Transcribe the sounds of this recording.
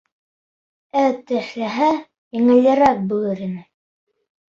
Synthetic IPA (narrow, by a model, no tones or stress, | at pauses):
æt̪ɘ̆χlæɦæ | jĭŋɘ̆ljɘ̆ɾæk̚bulɘɾinɘ